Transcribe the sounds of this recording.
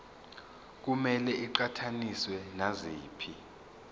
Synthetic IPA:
k̬umɛlɛiǃatʰaniswɛnaziːpʰi

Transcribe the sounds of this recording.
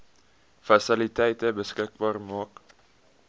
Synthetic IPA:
fɑsɪlɪt̪ʰeːt̪əbəskɪk̚bɑːɾəmoːk

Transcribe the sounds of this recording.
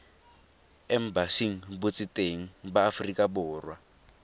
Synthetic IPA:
ɛm̩basiŋ̩but͡sʼitʼeŋ̩baːfrikʼabɔːrwa

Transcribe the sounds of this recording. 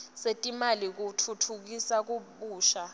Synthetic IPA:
setʼimalik̬utʰutʰuk̬isak̬uɓuːʃa

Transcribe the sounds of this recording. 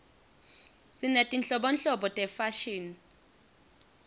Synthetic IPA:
sinetʼint͡ɬʼɔɓɔnɬɔɓɔtʼɛfaʃiːni

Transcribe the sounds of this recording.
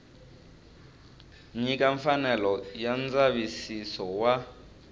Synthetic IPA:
ɲikaɱfanɛlɔjand͡zaβisisɔwa

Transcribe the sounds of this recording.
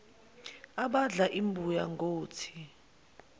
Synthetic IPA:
aɓaɮaʔimbʱujaŋɡoːtʰi̥

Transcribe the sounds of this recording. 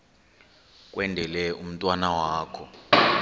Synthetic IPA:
k̬ʼwɛndʱɛlɛum̩tʼwanawaːkʰɔ

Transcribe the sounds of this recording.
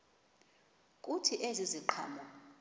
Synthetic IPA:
kʼutʰiʔeziziǃʰa̰ːmɔ

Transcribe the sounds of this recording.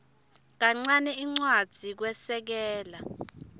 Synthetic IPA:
k̬aŋ͡ǀanɛiŋ͡ǀwad̥z̥ʱik̬wɛsɛk̬ɛːla

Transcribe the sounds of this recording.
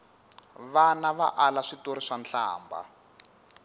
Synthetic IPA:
βanaβa̰ʔalaʂitoɾiʂanɬa̰ːmba̰

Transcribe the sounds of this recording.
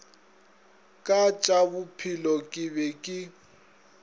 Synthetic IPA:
kʼat͡ʃʼabʊpʰilɔkʼɪbɛkʼɪ

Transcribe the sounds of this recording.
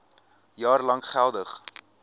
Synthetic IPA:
jɑːrlɐŋχælˠdəχ

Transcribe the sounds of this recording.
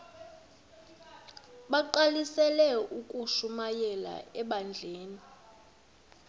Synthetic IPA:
ɓaǃalisɛlɛukʼuʃumajɛla̰ɛɓand͡ɮʱeːni

